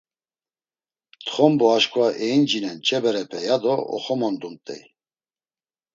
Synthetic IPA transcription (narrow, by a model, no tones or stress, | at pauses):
t̪ʰχɔmbɔaʃkʰʼwaʔɛind͡ʒinɛnt͡ʃʼɛbɛɾɛpʰɛjad̪ɔɔ̰χɔmɔnd̪unt̪ʼɛ̰j